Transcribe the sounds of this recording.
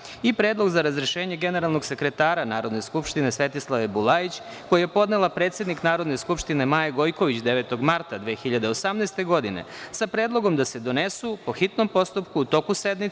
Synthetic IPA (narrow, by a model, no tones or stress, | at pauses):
ipɾeːd̪lˠo̞ɡzaɾazɾeʃeːɲe̞ɡe̞ne̞ɾalˠno̞ɡse̞kɾe̞t̪aːɾanaːɾo̞d̪ne̞skupʃt̪inesʋe̞t̪islˠaʋebulˠait͡ɕ | ko̞jijepo̞d̪nelˠapɾe̞ːt̪sje̞d̪niknaːɾo̞d̪neskupʃt̪ine̞majeɡo̞jko̞ʋit͡ɕd̪e̞ʋe̞ːt̪o̞ɡmaɾt̪ad̪ʋeːxiʎad̪eosamnest̪e̞ɡo̞d̪inḛsapɾeːd̪lˠo̞ɡo̞md̪ase̞d̪o̞ne̞supo̞xit̪no̞mpo̞st̪upkuut̪o̞kused̪mit̪